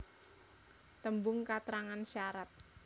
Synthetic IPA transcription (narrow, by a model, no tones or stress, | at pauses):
t̪əmbʊŋkat̪ɾaŋanʃaɾat̪̚